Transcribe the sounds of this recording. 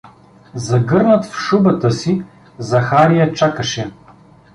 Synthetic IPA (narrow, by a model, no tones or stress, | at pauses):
zɐɡɤɾnət̪fʃubət̪əsi | zɐxaɾijɐt͡ʃakəʃɛ